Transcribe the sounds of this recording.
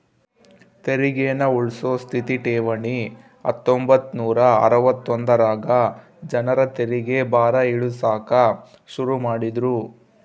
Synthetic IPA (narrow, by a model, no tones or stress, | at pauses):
t̪eɾiɡeːnɐuɭsoːst̪ʰit̪iʈeːʋɐɳi | ɐ̰t̪ːombɐt̪ːnuːɾɐɐ̰ɾɐʋɐt̪ːond̪ɐɾaːɡɐ | d͡ʒɐnɐɾɐt̪eɾiɡe̞baːɾɐiɭusaːkɐ | ʃuɾumaːɽid̪ɾu